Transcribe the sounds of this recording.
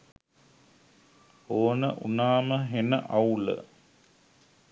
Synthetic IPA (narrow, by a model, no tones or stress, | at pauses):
oːnəʔunaːməɦenəʔaulə̰